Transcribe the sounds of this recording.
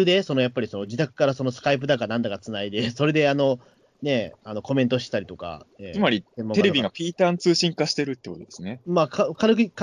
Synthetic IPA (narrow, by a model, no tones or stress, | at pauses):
ɯd̪e̞so̞no̞japːaɾʲiso̞no̞d͡ʑit̪akɯ̟̥kaɾaso̞no̞sɨ̥kaip̬ɯd̪akanãnd̪aɡat͡sɨnaid̪e̞so̞ɾe̞d̪e̞ano̞ | ne̞ano̞ko̞mẽ̞nt̪o̞ɕit̪e̥t̪aɾʲi̥t̪o̞ka̰ḛːsɨmaɾʲisẽmːoeɾebʲiɡapʲiːt̪ãnt͡sɨːɕĩŋkaɕi̥t̪e̞ɾɯ̟t̪ːekot̪d̪esɨnemakakaɾkɯk